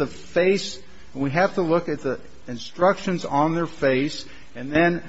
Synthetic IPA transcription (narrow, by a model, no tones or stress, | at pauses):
ðə | feɪs | nwiɦæftəlʊkɨt̪̚ði | ɨ̃nstɹ̥ʌkʃɨ̃nzn̩ðə˞feɪs | ɨ̃nðɨ̃n